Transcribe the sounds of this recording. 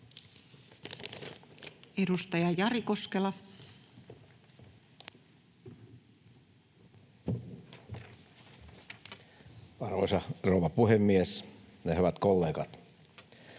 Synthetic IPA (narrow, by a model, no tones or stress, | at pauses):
edust̪ɑjɑjɑriko̞skelɑ | ɑrʋo̰isɑrouʋɑpuhemːiesnehyʋæt̪kolːeːkɑt̪